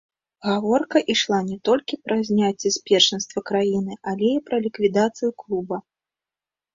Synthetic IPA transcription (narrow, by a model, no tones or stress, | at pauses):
ɣavɔrkɐʔiʂlˠanʲɛt̪ɔlʲkʲipɾʔɐzʲnʲat͡sʲːɛsʲpʲɛrʂɛnst̪vɐkɾajinɨalʲɛipɾɐlʲikvʲid̪at̪sɨjuklˠubɐ